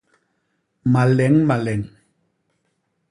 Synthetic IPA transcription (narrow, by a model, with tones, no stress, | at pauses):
ma˨lɛ˨˦ŋma˨lɛ˨ŋ